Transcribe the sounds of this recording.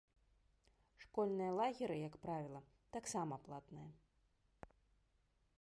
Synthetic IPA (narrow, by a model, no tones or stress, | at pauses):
ʂkɔlʲnɨjɐlˠaɣʲiɾɨjɐkpɾavʲilˠɐ | t̪aksamɐplˠat̪nɨjɐ